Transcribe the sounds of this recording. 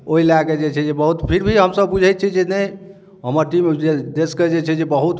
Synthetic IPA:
oɦilaked͡ʒet͡ʃʰɛd͡ʒebəɦut̪pʰiɾbʱiɦəmsəbbud͡ʒʱɛt̪̚t͡ʃʰid͡ʒenəj | ɦəməɾʈimed̪esked͡ʒet͡ʃʰɛd͡ʒebəɦut̪

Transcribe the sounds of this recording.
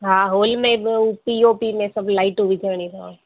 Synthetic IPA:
ɦãːɦoːlmẽbupioːpimẽsɐblaːɪʈuʋit͡ʃəːñit̪ã̰

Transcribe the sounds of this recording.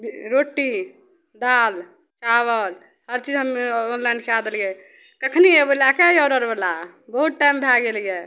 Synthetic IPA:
bɾoʈːi | d̪al | t͡ʃaβəl | həɾt͡ʃid͡ʒɦəmeonlãɳɖkʰead̪elijɛ | kəkʰniebelakeiɔɾəɾbela | bəɦut̪̚ʈajmbʱaɡelije

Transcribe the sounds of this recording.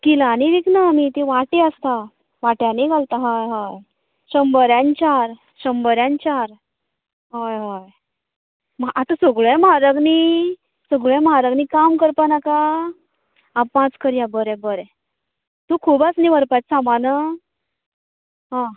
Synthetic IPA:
kilaniʋiknamit̪iʋaʈeəst̪a | ʋaʈjaniɡʱalt̪aɦajɦaj | ɕəmbəɾjãnt͡ɕaɾ | ɕəmbəɾjãnt͡ɕaɾ | ɦajɦaj | mʔat̪asəɡɭẽmaɾəɡni | səɡɭẽmɦaɾəɡnikamkəɾpanaka | apãt͡skəɾjabəɾɛ̃bəɾɛ | t̪ukʰuːbasniʋəɾpajt͡ssãmanə | ɦã

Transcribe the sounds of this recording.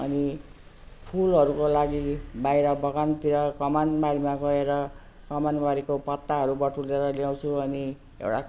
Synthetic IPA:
ʌ̰ni | pʰulɦʌɾukolaɡibajɾʌbʌɡant̪iɾʌkʌmanbaɾimaɡʌeɾʌ | kʌmanbaɾikopʌt̪ːaɦʌɾubʌʈʰuleɾʌljaw̃t͡sʰuʌni | ḛwʈa

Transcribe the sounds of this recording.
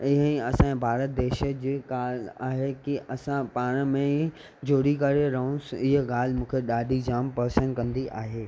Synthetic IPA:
ɪɦə̃ĩɐsãbʱaːɾət̪̚d̪eːʃəd͡ʑeːɠaːlaːɦekiʔɐsãpaːɽ̃mẽ | d͡ʑʱoːɽikɐɾeɾɐɦʊ̃sɪɦəɠaːl̤ɪmũːkʰeɗaːɗʱid͡ʑaːmpɐɦsənkɐ̃nd̪iʔa̰ːɦeː

